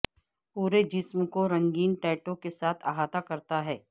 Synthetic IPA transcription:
puːɾed͡ʒɪsmkoɾɐ̃ŋɡiːnʈɛːʈõkesaːt̪ʰaɦaːt̪akɐɾt̪aɦɛː

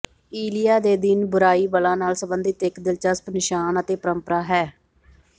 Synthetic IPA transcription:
iːlijaːd̪eːd̪ɪnbʊɾaːiːbəlãːnaːlsəbənd̪ɪt̪ɪkd̪ɪlt͡ʃəspnɪʃaːnət̪eːpəɾəmpəɾaːɦɛː

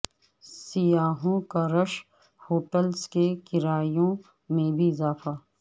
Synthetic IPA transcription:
sɪjaːɦõkaɾəʃ | hoːʈəlskekɪɾaːjõ | mẽbʱiɪzaːfaː

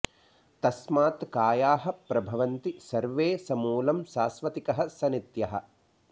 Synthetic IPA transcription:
t̪ɐsmaːt̪kaːjaːɦɐ̆pɾɐbʱɐʋɐnt̪isɐɾʋeːsɐmuːlɐmʃaːsʋɐt̪ikɐɦɐ̆sɐnit̪jɐɦɐ̰̆

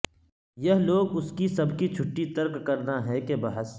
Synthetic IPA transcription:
jɐɦloːɡʊskisɐbkit͡ʃʰʊʈːit̪ɐɾkkɐɾnaɦɛkebɐɦəs

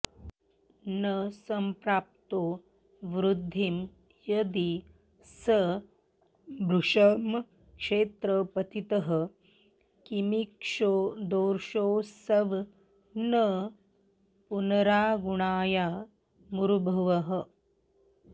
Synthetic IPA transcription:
nəsɐmpɾaːp̚t̪oː | ʋɾud̪ʱːim | jɐd̪i | sə | bʱɾuʂɐm | kʂeːt̪ɾəpɐt̪it̪ɐɦə̆ | kimikʂoːd̪oːɾʂoːsɐʋ | nə | punɐɾaːɡuɳaːja | muɾubʱɐʋɐɦə̆

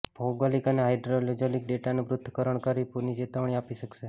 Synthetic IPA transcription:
b̥ʱoɡʋalikaneɦajɖɾolod͡ʒolik̚ɖeʈanuʋɾʊt̪ʰːəkəɾəɳkəɾipuɾnid͡ʒet̪əʋɳiapiʃəkʃe

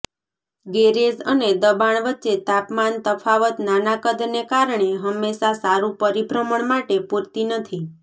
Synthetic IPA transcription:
ɡeɾed͡ʒəned̪əbaɳ̃ʋətːʃet̪apmant̪əfʰaʋət̪nanakəd̪nekaɾɳ̃eɦəmːeʃasaɾũpəɾibʱɾəməɳmaʈepuɾt̪inət̪ʰi

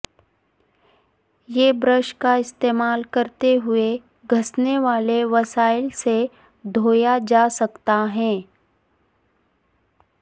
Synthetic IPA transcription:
jeːbɾəʃkaɪst̪eːmaːlkɐɾt̪eɦʊe | ɡʱɐsneʋaːleʋɐsaːɪlse | d̪ʱoːjad͡ʒaːsɐkt̪aɦɛ̃ː

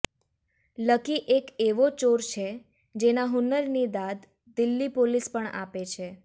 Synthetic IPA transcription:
ləkiʔekeʋot͡ʃoɾt͡ʃʰe | d͡ʒenaɦʊnəɾnid̪ad̪ | d̪ɪlːipolispəɳa̰pet͡ʃʰe

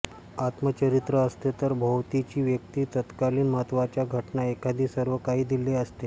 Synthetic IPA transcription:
at̪mət͡ɕəɾit̪ɾəːst̪et̪əɾbʱəwt̪it͡ɕiːʋjək̚t̪iːt̪ət̪kaliːnməɦət̪ʋat͡ɕjaɡʱəʈnaekʰad̪ʱiːsəɾʋəkaɦiːd̪ileəst̪e

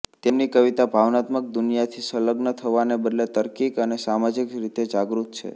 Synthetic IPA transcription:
t̪emnikəʋit̪abʱaʋnat̪mək̚d̪ʊnijat̪ʰisələɡnət̪ʰəʋanebəd̪let̪əɾkikənesamad͡ʒikɾit̪ed͡ʒaɡɾut̪t͡ʃʰḛ

